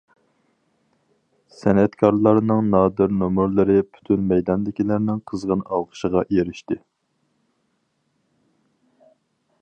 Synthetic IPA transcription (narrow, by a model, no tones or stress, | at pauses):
sɛnɛt̪kʰɑɾlˠɑɾnɨŋnɑːd̪ɨɾnomuɾlˠɨɾɪpʰy̥t̪ʰynmɛjd̪ɑnd̪ɪkʲilæɾnɪŋqʰəzʁənɑwqʰə̥ʃəʁɑjeɾɪʃt̪ɪ